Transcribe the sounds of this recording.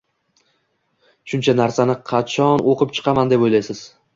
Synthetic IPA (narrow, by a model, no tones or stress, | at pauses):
ʃʊnt͡ʃʰanaɾsanɪqʰɑt͡ʃʰɒnoqɨp̚t͡ʃʰɨ̥qʰɑmand̪e̞pojlajsɪz̥